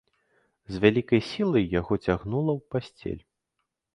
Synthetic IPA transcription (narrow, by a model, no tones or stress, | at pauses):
zvʲalʲikɐjsʲilˠɐjːaɣɔt͡sʲaɣnulˠɐwpasʲt͡sʲḛlʲ